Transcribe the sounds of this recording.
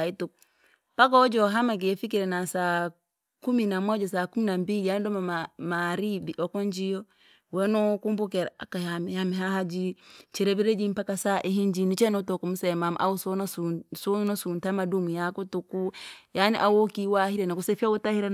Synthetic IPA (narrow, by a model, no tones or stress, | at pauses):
aituk | pak̬ɔd͡ʒɔɦamak̬efik̬iɾɛnasa | kuminamɔd͡ʒɔsaːkuminambilijanidɔmamaɾibiʔɔkɔnd͡ʒijɔ | wɛnɔkumbuk̬ɛɾaa̰kahamhamiɦaɦad͡ʒit͡ʃiɾɛβiɾed͡ʒim̩pakasaʔiɦiɲd͡ʒinit͡ʃɛnɔtɔkumusɛmamʔa̰usɔnassunɔsuntamadumujakɔtukujaniʔawokiwahiɾɛnakusɛfautahiɾɛ